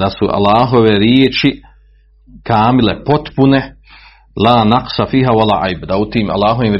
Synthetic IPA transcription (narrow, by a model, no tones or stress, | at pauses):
asuʔa̰lːaːɦo̞ʋeɾjeet͡ʃi | kaːmile̞po̞t̪pune̞ | laːnaqsafiːɦawala̰ːʔajbad̪aut̪iːma̰lˠːaːɦo̞ʋiːmɾ